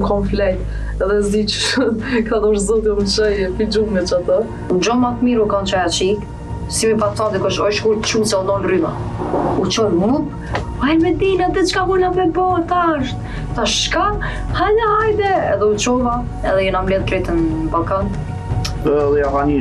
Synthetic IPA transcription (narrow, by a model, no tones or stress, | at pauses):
kʰɔnflɛt̪ | ɛðɛzd̪it͡ʃkad̪ɔɾzɔd̪ɔmt͡ʃɛjfid͡ʒunɛt͡ʃat̪ə | ud͡ʒɔmat̪miɾukant͡ʃɔjat͡ʃi | simipafad̪ikɔʃɔjʃkuɾt̪t͡ʃusɛud̪ɔnryma̰ut͡ʃɔlmup | vajmɛd̪inat̪ɛt͡ʃkavunapɛbɔt̪aʃt̪ | t̪aʃka | halaɦajd̪ɛɛðɛut͡ʃɔva | ɛðɛjɛnamlɛðkɾɛt̪ənbalˠkan | ðɛavani